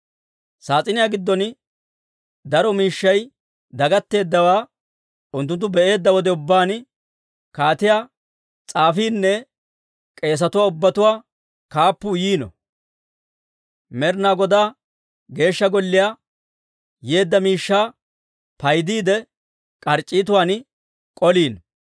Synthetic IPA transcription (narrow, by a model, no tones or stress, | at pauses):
saːt͡sʼɪnɪjaːɡɪd̪ːɔn | d̪ɐɾɔmiːʃːɐj | d̪ɐɡɐt̪ːe̞ːd̪ːɐwaː | ʔʊnt̪ːʊnt̪ːʊbɛʔe̞ːd̪ːɐwɔd̪ɛʊbːaːn | kaːt̪ɪjaː | t͡sʼaːfiːnːɛ | kʼe̞ːs̬ɐt̪ʊwaːʊbːɐt̪ʊwaː | kaːpːʊjiːnɔ̰ | mɛɾnaːɡɔd̪aː | ɡe̞ːʃːɐɡɔlːɪjaː | je̞ːd̪ːɐmiːʃːaː | pɐjd̪iːd̪ɛ | kʼɐɾt͡ʃʼːiːt̪ʊwaːn | kʼɔliːn